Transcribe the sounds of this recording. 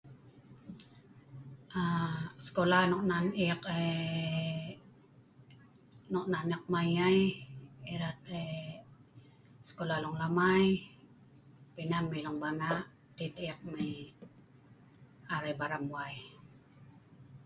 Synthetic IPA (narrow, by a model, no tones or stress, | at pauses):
ʔaskolanɔʔnaniake | nɔʔnanak̚majajiɾat̪e | skolalɔŋlamaj | pinamːajlɔŋbanaʔ | t̪it̪jak̚maj | aɾajbaɾamuaj